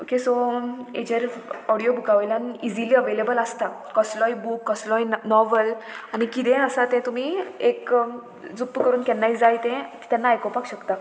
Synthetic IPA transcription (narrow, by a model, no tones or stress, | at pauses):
okesɔḛd͡ʑəɾɔɽijobʱukaʋeljãnid͡ziliːəʋelebələst̪akɔslɔjbukːɔslɔjnɔʋəlañikit̪ɛ̃əsat̪ɛ̃t̪um̤iek | d͡zupːkəɾuːnkɛnːaid͡zajt̪ɛ̃ki̥t̪ãnːaːjkɔpakɕəkt̪a